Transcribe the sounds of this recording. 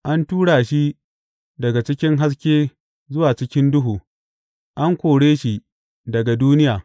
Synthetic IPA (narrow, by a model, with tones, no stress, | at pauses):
ʔa˦ntuː˦ɽaː˨ʃi˦ | dɐ˨ɡa˨t͡ʃɪ˦kʲɪ˦ŋɦa˦s̬kʲeː˦ | zʊ˦waː˨t͡ʃɪ˦kʲɪ˦ndʊ˦ɦuː˨ | ʔa˦ŋkʷoː˨ɽeː˦ʃi˦ | dɐ˨ɡa˨duː˦nɪ˦jaː˨